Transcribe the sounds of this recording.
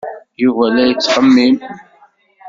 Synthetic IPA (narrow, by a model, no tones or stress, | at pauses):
juvælæjət͡sːqəmːim